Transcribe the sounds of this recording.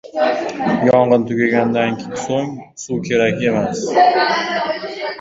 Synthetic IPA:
jɒɴʁɨnt̪ʰʊɡʲaɡʲand̪anʲsoŋ | sukʲʰe̞ɾakʲe̞mas

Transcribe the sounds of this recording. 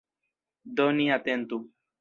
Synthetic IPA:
d̪oniat̪ent̪u

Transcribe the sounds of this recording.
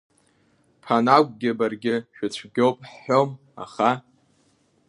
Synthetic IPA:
pʰanak̚ʷʼɡʲɪbarɡʲɪʃᶣat͡ɕʷʰɡʲo̞wpʼħːom | a̰χa

